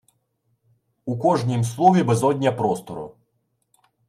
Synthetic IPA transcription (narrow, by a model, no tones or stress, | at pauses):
ukɔʐnʲimslˠɔvʲɛbɛzɔd̪ʲnʲɐpɾɔst̪ɔɾṵ